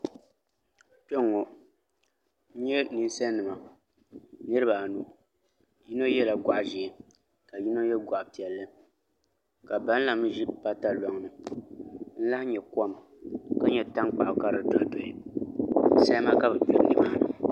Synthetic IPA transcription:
pɛ˦ŋːɔ˨˦ | ɲɛ˦nɨ˦n˦sa˦nː˦ɨ˨ma˨ | nɨ˦ɾɨ˦ba˨nu˦ | ji˦no˦jɛ˦la˨ɡa˨ʔʒɛː˨ | ka˨ji˦no˦jɛ˦ɡʷa˨ʔpi˨ɛ˨lːɨ˦ | ka˨ba˦n˦la˨m˦ʒi˦ʔpa˦ta˦lɔ˦ŋnɨ˨ | n̩˦la˦hɲɛ˨kɔ˦˨m | ka˦ɲɛ˨ta˦ŋk͡pa˨ʔʊ˨ka˦ɾɨ˨dɔ˨˦do˨ɪ˨ | sa˦jma˦ka˦bɛ˨po˦n˦dɨ˦maː˦˨nɨ̰˨

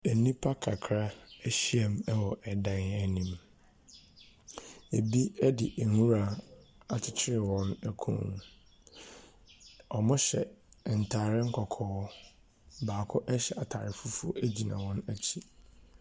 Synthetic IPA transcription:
ɛ˨nĩ˦pʰa˦kʰa˨kʰɾa˦æ˦ɕi˦ɛ˨m˦ɛ˦wɔ˨ʔɛ˨dã˦n˦ɛ˦nĩ˦m | e˨bi˦ɛ˦dɪ˨ʔæ˨ŋũ˦ɾa˨ | a˨tʰɪ˦t͡ɕʰɪ˦ɾɪ˨wɔ̃˦næ˦kʰṵ̃˦˨ñ˨ | ɔ˨mʊ̃˦ɕɛ̰˨n̩˨tʰaː˨ɾɪ˦ŋ̩˦kʰɔ˨kʰɔː˦ | baː˨kʰʊ˦ʔɛ˦ɕɛ˨a˨tʰaː˨ɾɪ˨fu˦fu˦æ˦d͡ʑi˨nã̰˨wɔ̃˦næ˦t͡ɕʰi˦˨

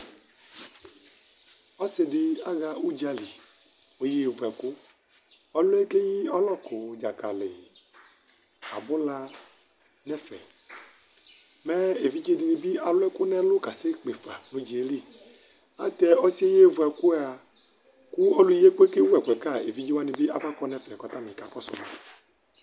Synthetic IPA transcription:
ɔ˦se˨dɪ˨a˦ɣa˦˨u˦d͡ʒa˨li˨ | o˨je˦˨vu˨ɛ˨ku˦ | ɔ˦lʊ˦ɛ˦ke˦ji˦ɔ˦lɔ˦kʰo˨d͡ʒa˨ka˨lḛ˨ | a̰˨bʊ˦la˦ | nɛ˦fɛ̰˨ | mɛ˦e˨vi˦d͡ʒe˦di˨nĩ˨bi˦a˨lʊ˦ɛ˦kʊ˦nɛ̃˦lʊ˦ka˨se˦k͡pe˨fa̰˨nũ˨˦d͡ʒi˨e˦li˦˨ | a̰˦t̪ɛ˦ɔ˦si˦e˦je˦˨vu˨ɛ˨ku˦a˨ | ku˦ɔ˦lu˦je˦k͡pe˦ke˦wu˦ɛ˨kɛ˨ka˦˨e˨vi˦d͡ʒi˦wa˦ni˨bi˦a˨va˦kɔ˦nɛ˦fɛ˨kɔ˦t̪a˦mẽ˨ka˨k͡pɔ˦sɔ̰˨m̰˨

